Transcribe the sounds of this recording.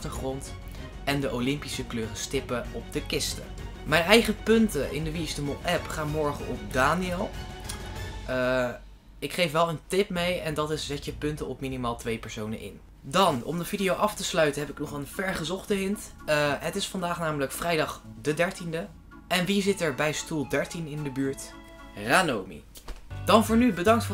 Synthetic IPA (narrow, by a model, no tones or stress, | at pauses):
ɑχtəɹχrɔnt | ɛndəʔolɪmpisəkløːrəstɪpəɔp̚dəkɪstə̰ | mɛjnɛjχəpɵntəʔɪ̰ndəʋistəmolˠʔɛpχaːnmɔɹχəʔɔp̚daːniɪlˠ | ə | ɪkχejfʋɛlˠəntɪpmejɛndɑtɪszɛtəpɵntəɔpminimaːlˠtʋejpɛɹsownə̰nʔɪ̰n | dɑnɔ̰mdəv̥idiowʔɑftəslœɥtənɦɛpɪknɔχənvɛɹχəzɔχtəɦɪnt | ɦətɪsfɑndaːχnaːmələkfrɛjdɑχdədɛɹtində | ɛnʋizɪtɛɹbɛjstulˠdɛɹtinɪndəbyːɹt | raːnowmḭd̥ɑnvʊːɹnybədɑŋk̚tf